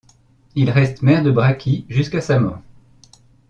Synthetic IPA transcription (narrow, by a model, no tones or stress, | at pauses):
ilʁɛst̪mɛʁd̪əbʁakʲʰiʒyskasamɔːʁ